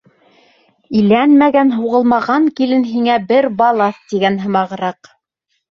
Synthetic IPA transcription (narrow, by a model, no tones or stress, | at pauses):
ilænmæɡænɦuʁɤlˠmɑʁɑŋkilɘnɦiŋæbɘɾbɑlˠɑθt̪iɡænɦɤ̆mɑʁɤ̆ɾɑq